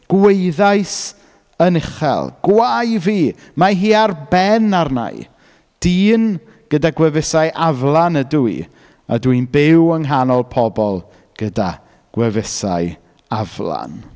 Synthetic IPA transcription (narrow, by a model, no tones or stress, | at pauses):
ɡ̥weɨðajs | ənɪχɛ̰lˠɡ̥wajviː | maɦiːarbɛnarna̰ɨ | d̥iːn | ɡ̥ədaɡwɛvɪsajʔavlˠanəduḭ | a̰dwinbɪwəŋɦanɔlˠpʰɔbɔlˠ | ɡ̥əda | ɡ̥wɛvɪsa̰j | avlˠa̰n